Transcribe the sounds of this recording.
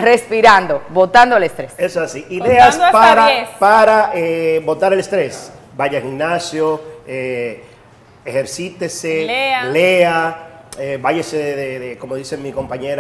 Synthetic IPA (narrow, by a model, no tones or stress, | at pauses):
respiɾand̪o̞βo̞t̪and̪oelest̪ɾesesoasiʔiðeaspaɾapaɾaʔebo̞t̪aɾelest̪ɾe̞sbaʝaxiŋnasjoe | exeɾsit̪eseleaebaʝeseðeðeko̞moðisemiko̞mpaɲeɾ